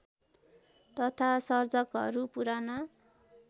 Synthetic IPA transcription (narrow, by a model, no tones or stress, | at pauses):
t̪ʌt̪ʰasʌrd͡zʌkɦʌ̰ɾupuɾanʌ